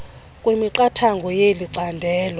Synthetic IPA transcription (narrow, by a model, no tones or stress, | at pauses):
kʼwemiǃatʰaŋɡʱɔjeliǀandʱɛːlɔ